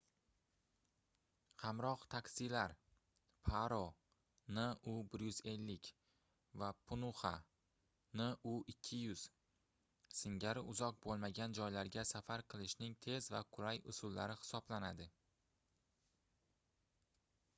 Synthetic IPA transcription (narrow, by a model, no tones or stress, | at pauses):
hamɾɒqt̪ʰakʲsɪlaɾ | pʰaɾo | nɪʊbɪɾjʊze̞lːɪkʲ | vapʰʊnʊχa | nɪʔʊʔɪkʲʰːɪjʊz̥ | sɪŋɡʲaɾɪʔʊzɒq̚bolˠmaɡʲand͡ʒɒjlaɾɡʲasafaɾqʰɨlˠɪʃnɪŋt̪ʰe̞zvaqʰʊɾajʊsʊlːaɾɪhɪ̥sɒblanad̪ɪ